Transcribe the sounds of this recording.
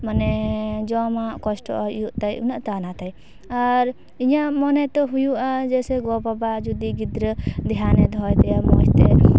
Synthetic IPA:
manɛd͡ʒɔmakɔsʈɔ̰ʔjuʔt̪ajṵnaʔt̪anat̪aj | aɾ | iɲaʔmɔnɛt̪ɔɦujuʔad͡ʒɛsɛɡɔbabad͡ʒud̪iɡid̪ɾəd̪janɛd̪ʱɔjt̪ɛjamɔ̰jt̪ɛ

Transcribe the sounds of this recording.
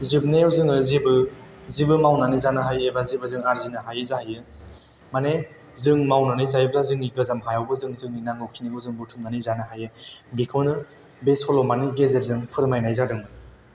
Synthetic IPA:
zib̚neawzɯŋɯzibɯ | zibɯmawnanizanɯɦajebazibɯzɯŋaɾzinɯɦajɯzahajɯ | mane | zɯŋmawnanajzajbɾazɯŋniɡɯzamɦajawbɯzɯŋzɯŋninaŋɯwkʰiniɡɯzɯŋbɯtʰumnanizanɯɦajɯbikʰɯwnɯ | besɔlɔmaniɡezeɾzɯŋpʰɯɾmajnajzadɯŋɯ

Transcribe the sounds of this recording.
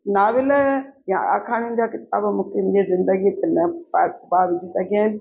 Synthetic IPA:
naːʋɪljãa̰ːkʰaːɽ̃in̆d͡ʑaːkɪt̪̚a̰ːbmũːkʰemd͡ʑezɪ̃nd̪əɡit̪enɐpabaːʋɪd͡ʒʱisɐɡʱijaːɪn̆

